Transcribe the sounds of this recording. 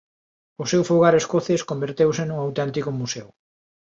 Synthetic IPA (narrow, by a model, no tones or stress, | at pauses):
ʊsewfoɣaɾeskoθeskombeɾt̪ewsɪnuŋawt̪ɛnt̪ikʊmusew